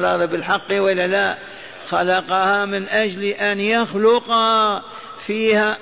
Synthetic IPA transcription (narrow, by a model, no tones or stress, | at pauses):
lɑðˤɨbɪlħɑqːwalːala | xɑlɑqɑhamɪnʔad͡ʒlʔanjaxlʊqɑ | fiːha